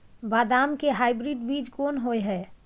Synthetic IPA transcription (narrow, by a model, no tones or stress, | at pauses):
bad̪amkeɦajbɾiɖbid͡ʒkonɦojɦɛ